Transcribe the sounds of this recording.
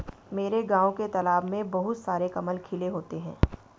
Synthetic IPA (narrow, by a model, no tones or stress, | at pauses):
meːɾeɡãːõket̪ɐlaːbmẽbɐɦʊt̪saːɾekɐməlkʰɪleɦoːt̪eɦɛ̰̃ː